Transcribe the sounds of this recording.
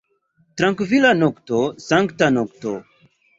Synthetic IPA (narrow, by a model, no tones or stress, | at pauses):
tɾãŋkvilanoktosaŋktanokto̰